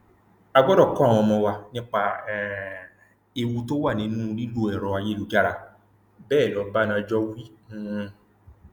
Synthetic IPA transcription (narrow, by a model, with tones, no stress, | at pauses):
a˧ɡ͡bɔ˦dɔ˦˨kɔ̃˦˨w̃ɔ̃˧mɔ̃˧wa˧nĩ˦k͡pa˧˨ | e˧wu˧to˦wa˦˨nĩ˨˧˦nũː˦˧ɾi˦lo˦ɛ˨ɾɔ̃˧a˧je˦lo˨˧d͡ʒa˦ɾa˧ | bɛː˦˨lɔ˨˧˦ba˦nã˧d͡ʒɔ˦wĩ˦˧